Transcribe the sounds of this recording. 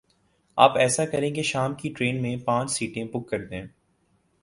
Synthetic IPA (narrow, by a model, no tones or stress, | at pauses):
a̰ːpɛːsakɐɾẽkeʃaːmkiʈɾeːnmẽpãːt͡ʃsiːʈẽpʊkːɐɾd̪ẽː